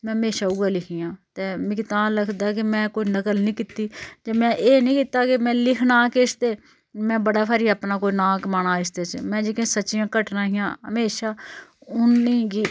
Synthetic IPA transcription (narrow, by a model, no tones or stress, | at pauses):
mɛ̃ːəmeːʃaːuːaːlɪkʰiːjãːt̪eːmɪkt̪ãːləkʰd̪aːk̬ɪmɛ̃ːkoːiːnəkəlnĩːkɪt̪iːd͡ʒeːmɛ̃ːʔeːnĩːkɪt̪aːkɪmɛ̃ːlɪkʰnaːkest̪eː | mɛ̃ːbəɽaːpʰaːɾiːaːpnaːkoːiːnaːkmaːnaːɪst̪eːt͡ʃmɛ̃ːd͡ʒeːkẽːsətːʃɪjãːkəʈnaːɦɪjãːɦə̰meːʃaːʊnːĩːɡiː